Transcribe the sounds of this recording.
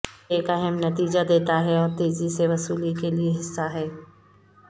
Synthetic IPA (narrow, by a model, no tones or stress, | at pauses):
eːkɐɦɛmnɐt̪iːd͡ʒad̪eːt̪aɦɛɔːɾt̪eːziseʋɐsuːlikelieɦɪsːaɦɛː